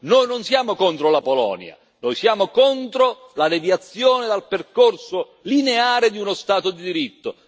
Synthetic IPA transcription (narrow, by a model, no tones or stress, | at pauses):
noːjnonsjaːmokont̪ɾolapolɔ̰ːnj̰a̰ | nojsjaːmokɔnt̪ɾo | lad̪ɛvjat̪sːjɔːnɪd̪alperkorsʊ | lineaːɾɪd̪iunost̪aːt̪od̪id̪iɾit̪ːʊ̰